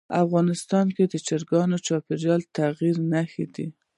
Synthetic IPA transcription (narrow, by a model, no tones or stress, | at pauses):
afɣɑnɪst̪ɑnked̪ət͡ʃaɾɡɑnot͡ʃɑpeɾjɑlt̪aɣiɾnaxid̪i